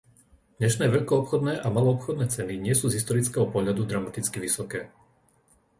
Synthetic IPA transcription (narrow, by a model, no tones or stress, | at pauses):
d̪̥ɲɛʃnɛːʋɛʎkɔɔpxɔd̪nɛːʔamalɔɔpxɔd̪nɛːt͡sɛniɲɪɛsuːzɦist̪ɔɾit͡skɛːɦɔpɔɦʎad̪ud̪ɾamat̪it͡skiʋisɔkɛː